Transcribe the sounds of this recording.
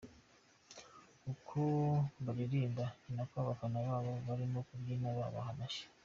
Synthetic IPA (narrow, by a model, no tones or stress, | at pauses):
ukʰuβuɾiɾiːndainakoaβafanoβaːβoβaɾimukubɡiːnaβa̰ːβo̰hadaʃi̥